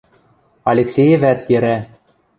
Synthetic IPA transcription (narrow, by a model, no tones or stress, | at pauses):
ɑlʲeksʲejɘ̆væt̪jɘ̆ɾæ